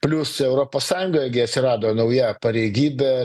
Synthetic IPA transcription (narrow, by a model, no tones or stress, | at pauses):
pʲlʲʊsɛʊɾoːpoːssɑːjʊŋɡoːjɛɡʲɪɐt̪ʲsʲɪɾɑːd̪oːnɐʊjæpɐɾʲɛɪɡʲiːbʲɛ